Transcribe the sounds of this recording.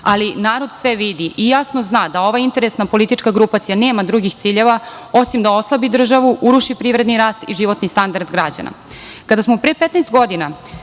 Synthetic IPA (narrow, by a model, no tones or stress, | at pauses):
alinaːɾo̞d̪sʋeʋid̪iʔijasnoznaːd̪ao̞ʋaint̪e̞ɾesnapo̞lit̪it͡ʃkaɡɾupat̪sijaneːmad̪ɾuɡixt̪siːʎeʋa | osimd̪ao̞slˠabid̪r̩ʒaʋuʔuɾuʃipɾiːʋɾe̞d̪niɾaːst̪iʒiʋo̞t̪nist̪and̪aɾd̪ɡɾad͡ʑa̰na̰ | kad̪asmopɾepet̪naːst̪ɡo̞d̪ina